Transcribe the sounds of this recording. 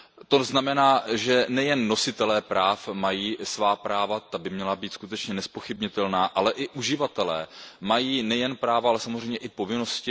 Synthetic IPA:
t̪o̞znamɛnaːʒɛnɛjɛnːo̞sɪt̪ɛlɛːpɾaːfmajiːsvaːpɾaːvat̪abɪmɲɛlabiːt̪skut̪ɛt͡ʃɲɛnɛspo̞xɪbɲɪt̪ɛlnaːʔalɛʔɪʔuʒɪvat̪ɛlɛːmajiːnɛjɛnpɾaːvaalɛsamozrɛjmɲɛʔɪpo̞vɪno̞scɪ

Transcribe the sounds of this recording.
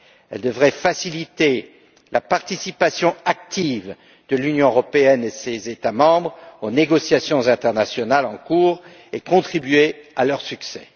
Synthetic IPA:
ɛ̰ld̪əvʁɛfasilit̪e | lʔapaʁt̪isipasjɔ̃ak̚t̪iv | d̪̥əlynjɔ̃øʁɔpeɛnesezet̪amɑ̃bʁoneɡɔsjasjɔ̃zɛ̃t̪ɛʁnasjɔnalɑ̃kuːʁ | ekɔ̃t̪χibɥealœʁsyksɛ̰

